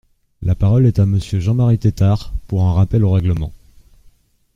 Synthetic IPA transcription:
lʔapaʁɔlɛt̪aməsjøʒɑ̃maʁit̪et̪aʁpuʁɛ̃ʁapɛloʁɛɡləmɑ̰̃

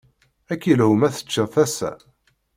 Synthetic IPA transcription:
ækːjəlhumæθə̥t͡ʃːəðθæsæ̰

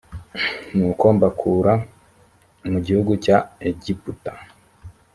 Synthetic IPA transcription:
nuːko̞ːmbakʰuːɾa | muɟihuɡucaeɟiputḁ

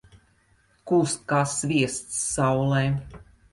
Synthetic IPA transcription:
kuːst̪̚kaːsːvʲiɛst̪sːawlˠɛː

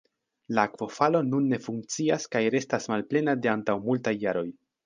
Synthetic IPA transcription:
lakvo̞falo̞nunːe̞fuŋk̚t͡siaskajɾe̞stasmalple̞nade̞antawmultajːaɾo̞j

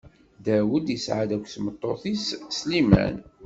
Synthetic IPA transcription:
d̪æwəd̪jəsʕad̪ækʷːθmət̪ˤːoθisslimæ̰n

